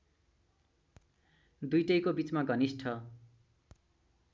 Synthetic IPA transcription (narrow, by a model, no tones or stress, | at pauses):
d̪ujʈʌjkobit͡smaɡʌnisʈʰʌ